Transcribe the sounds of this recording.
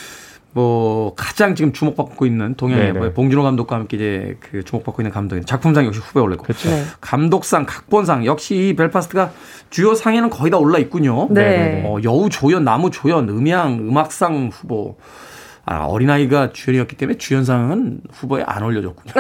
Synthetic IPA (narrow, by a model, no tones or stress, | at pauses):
mwʌkḁd͡ʑaŋt͡ɕiɡɯmt͡ɕumok̚p͈akk͈oinːɯntoŋɦeŋeopoŋd͡ʑunoɡamdokwaɦamk͈eid͡ʑe̞kɯt͡ɕumok̚p͈ak͈oinːɯnkamdoɡint͡ɕak̚pʰumsʰaŋjʌkɕ̬ʰiɸuboeoɭːa̰kokamdok̚s͈aŋkḁk̚p͈ons̬ʰaŋjʌk̚ɕ͈iːpeɭpʰasʰtʰɯɡa | t͡ɕujʌsʰaŋe̞nɯnkʌidaoɭːait̚k͈uɲoneʌjʌut͡ɕojʌnːamut͡ɕojʌnɯmjaŋɯmak̚s͈aŋɸubo | a̰ʌ̰ɾinaiɡat͡ɕujʌɲiʌk͈i̥t͈eme̞t͡ɕujʌns̬ʰaŋɯnɸuboḛʔa̰nʌʎːʌd͡ʑʌt̚k͈u̥ɲo